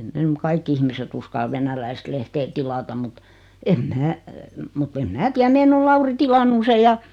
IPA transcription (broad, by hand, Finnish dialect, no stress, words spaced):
ei ne m kɑikːi ihmiset uskɑl ʋenælæist lehteː tilɑtɑm mut em mæː mutː em mæː tiæ meːn ol lɑuri tilɑnːu se jɑ